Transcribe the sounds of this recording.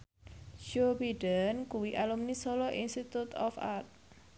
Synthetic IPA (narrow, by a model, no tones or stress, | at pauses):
ʃobiɖənkuwiʔalumnisɔlɔʔinst̪it̪ut̪ɔ̰fa̰rt̪̚